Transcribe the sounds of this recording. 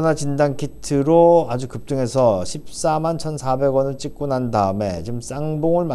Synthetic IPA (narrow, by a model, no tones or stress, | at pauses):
nat͡ɕindankʰitʰɯɾoad͡ʑukɯp̚t͈ɯŋe̞sʰʌɕʰip̚s͈amant͡ɕʰʌnsʰabe̞ɡwʌnɯɭt͡ɕ͈ik͈unandaɯme̞̰t͡ɕims͈aŋboŋɯɭma